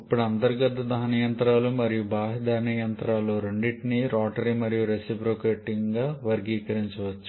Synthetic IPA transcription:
ɐpːuɽɐnd̪ɐɾiɡɐt̪ɐd̪ʱaːnijɐnt̪ɾaːlumɐɾijubaːɦɐd̪aːnijɐnt̪ɾaːluɾoɳɖiʈniɾaːʈɐɾimɐɾijuɾesipɾokeːʈːiŋɡaːʋɐɾɡiːkɐɾiɲt͡ʃɐʋɐt͡ʃːu̥

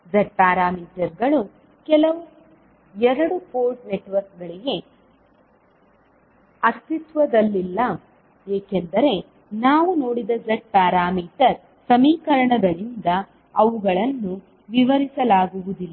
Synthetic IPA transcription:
d͡ʒɐʈ̚paːɾaːmiːʈɐɾɡɐɭu | kɛlɐʋu | ɛɾɐɽupoːɾʈneʈʋɐɾk̚ɡɐɭiɡe̞ | ɐst̪it̪ʋɐd̪ɐlːilːɐ | eːkend̪ɐɾe̞ | naːʋuno̞ːɽid̪ɐd͡ʒeʈ̚paːɾaːmiːʈɐɾ | sɐmiːkɐɾɐɳɐɡɐɭind̪ɐ | ɐʋuɡɐɭɐnːu | ʋiʋɐɾisɐlaːɡuʋud̪ilːɐ

